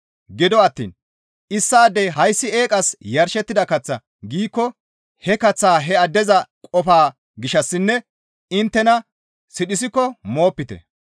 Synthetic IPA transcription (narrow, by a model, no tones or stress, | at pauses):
ɡɪd̪ɔɐt̪ːḭːn | ʔɪsːaːd̪ɛhɐjsːɪe̞ːkʼɐsjɐɾʃɛt̪ːɪd̪ɐkɐt͡sːɐ | ɡiːkːɔ | hɛkɐt͡sːaːɦɛɐd̪ːɛzɐkʼɔfaː | ɡɪʃɐsːɪnːɛ | ɪnt̪ːɛnɐ | sɪɗɪs̬ɪkːɔmo̞ːpːɪt̪ɛ̰